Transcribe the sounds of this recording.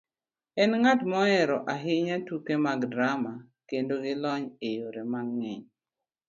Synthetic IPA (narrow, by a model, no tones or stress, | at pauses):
ɛnŋatmɔɛɾɔʔaɦɪɲatukemaɡdɾama | kendoɡɪlɔɲejoɾemaŋːɛɲ